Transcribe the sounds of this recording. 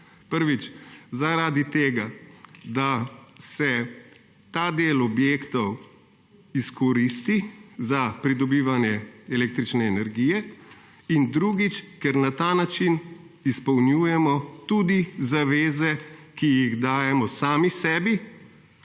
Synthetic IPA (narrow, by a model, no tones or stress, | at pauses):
pəɾʋit͡ʃzaɾaːd̪it̪eːɡad̪asɛ | t̪aːd̪eːlɔbjeːkt̪ɔw | iskɔɾist̪izapɾid̪ɔbiːʋanjɛɛleːk̚t̪ɾit͡ʃnɛːnɛɾɡiːjɛ | ind̪ɾuɡit͡ʃkɛɾnat̪aːnat͡ʃin | ispɔwnjujɛmɔt̪ud̪izaʋeːzɛkijiɣd̪aːjɛmɔsaːmisɛːbi